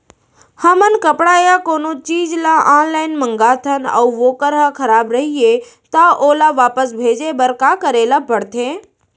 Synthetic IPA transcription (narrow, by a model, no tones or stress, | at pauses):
hɐmənkəpɽajakoːnot͡ʃiːd͡ʒlaʔaːnlaːɪnmə̃ŋɡaːt̪ʰənɐ̰uʋoːkəɾɦəkʰɐɾaːbɾɐɦie | t̪aʔoːlaʋaːpəsbʱeːd͡ʒebɐɾkaːkəɾeːlapɐɽt̪ʰẽː